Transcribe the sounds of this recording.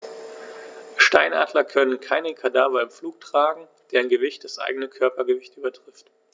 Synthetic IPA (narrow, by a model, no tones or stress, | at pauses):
ʃtaɪna̰ːdlɐkʰœnənkʰaɪnəkʰadaːvɐɪmfluːk̚tʁ̥aːɡŋ̩ | d̥eːɐɪnɡəvɪçt̚d̥asʔa̰ɪɡənəkʰœɐpɐɡəvɪçtʔyːbɐtʁ̥ɪft